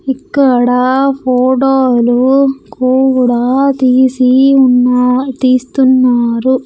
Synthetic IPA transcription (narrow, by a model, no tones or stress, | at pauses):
ikːɐɽɐpʰoːʈoːlukoːwuɽat̪iːsiunːt̪iːst̪unːaːɾu